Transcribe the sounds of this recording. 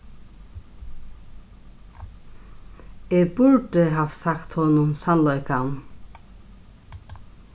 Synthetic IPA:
eːbʊɹdɪɦaːfsakt̪hɔnʊnsanlɔʏkan

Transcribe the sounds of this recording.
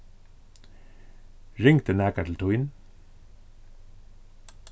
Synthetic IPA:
ɹɪŋt̪ənæːkət̪ʰl̩t̪ʰʊjn

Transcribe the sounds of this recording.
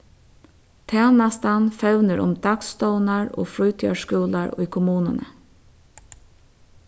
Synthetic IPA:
t̪ʰæːnast̪anfœʋnəɾʊ̰md̪akst̪ɔʊnaɹo̰ːfɾʊjt̪ʰjʏaʂkuːlaɹʊ̰jkʰʊmuːnənə̰

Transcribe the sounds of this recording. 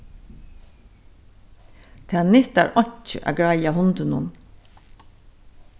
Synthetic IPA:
t̪ʰɛːnɪht̪a̰ɹɔɲ̥t͡ʃɪʔa̰ːɡɹajaɦʊnt̪ənʊ̰n

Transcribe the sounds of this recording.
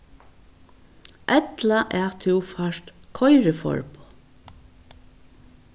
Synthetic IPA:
ʔɛt̪laʔɛt̪ʰɪwfaʃt̪kʰɔjɾɪfɔ̰ɹpʊ̥

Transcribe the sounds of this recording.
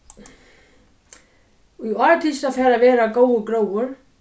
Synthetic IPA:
iɔɾt̪ʰist̪afɛːɾavɛːɾakoːwʏkɾoːwʏɾ̥

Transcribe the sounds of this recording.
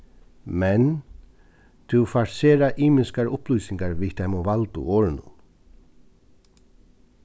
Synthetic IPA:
mɛn | t̪ʰuwfaɾseːɾaʔiːmɪskaɾʊplujsɪŋkaɹʋit̪ʰamɔʋalt̪ṵɔːɾɪnʊ̰n

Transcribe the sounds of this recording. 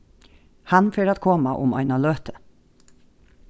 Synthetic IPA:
hɑnføːɾɑt̪kʰɔmɑʔʊmɑ̰ɪnɑløːt̪ʰə̥

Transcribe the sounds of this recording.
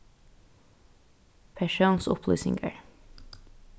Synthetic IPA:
pʰæʃuːnsʊ̰pʰly̰ːsɪŋɡə̰ɹ

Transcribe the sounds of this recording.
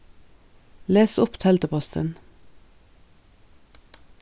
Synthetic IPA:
leːsʊpt̪ʰɛlt̪əpʰɔst̪ə̰n

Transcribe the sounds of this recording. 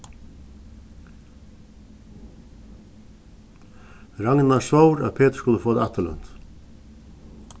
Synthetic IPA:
ɾaŋnasvowɾa̰ðpʰeːt̪ə̥skʊnəfoːd̪aht̪alœ̰n̥t̪

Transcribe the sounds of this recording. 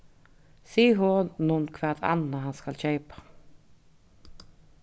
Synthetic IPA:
siːɦɔnunkʰvaːt̪a̰naɦanskalɕeɪpḁ

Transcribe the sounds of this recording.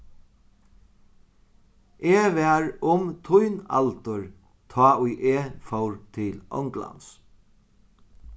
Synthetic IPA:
ʔeːʋɛɹʊmt̪ʰʊjna̰lt̪ʊɹ | t̪ʰɑːʔʊjʔeːfɔwɹt̪ʰɪlʔɔ̰wŋkla̰ns

